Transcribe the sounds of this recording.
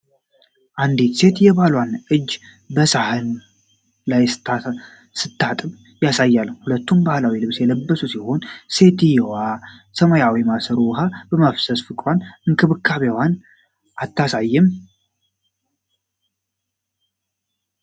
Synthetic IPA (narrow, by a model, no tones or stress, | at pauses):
ʔand̪it̪se̞t̪jɛβalwanʔɨd͡ʒː | bəsahɨn | laj | sɨt̪ʰːat̪ʼɨm | jasajːalːəhulət̪ːumbahlawilɨβsjɛləbːəsusiho̞nse̞t̪ijɛwasəmojawimasəɾuwɦabəmafsəsfɨkʼɾʷanɨŋkʰɨβɨkʰːaβewan | ʔat̪ːasajːɪm